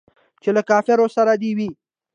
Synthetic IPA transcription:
t͡ʃelakɑfɪɾosaɾad̪ewi

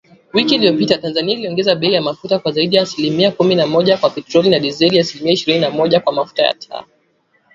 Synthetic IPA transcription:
wikiːliɔpitatanzaniailiɔŋɡɛzaɓɛijamafutakwazaiɗijaːsilimiakuminamɔʄakwapɛtɾɔlinaɗizɛliaːsilimiaiʃiɾininamɔʄakwamafu̥taja̰tʰa̰

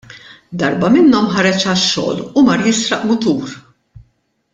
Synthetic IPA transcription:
d̪ɐɾbɐmɪnːɔmħɐɾɛt͡ʃɐʃːɔ̰ːlʊmɐɾjɪsɾɐʔmʊt̪uːɾ

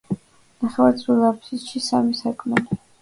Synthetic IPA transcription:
naχɛvat̪sʼulapsisʃisamisakʼʰmɛli

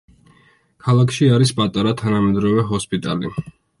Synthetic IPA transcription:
kʰalˠakʰʃiaɾispʼat̪ʼaɾat̪ʰanamɛd̪ɾɔvɛɦɔspʼit̪ʼa̰lḭ

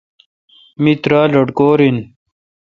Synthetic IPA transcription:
mit̪ɾaːlɐɖkoːɾin

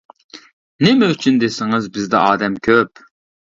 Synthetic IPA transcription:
nɪmɛyt͡ʃʰynd̪esɪŋɨzbɪzd̪ɛ̰ɑːd̪ɛmkʲʰøp

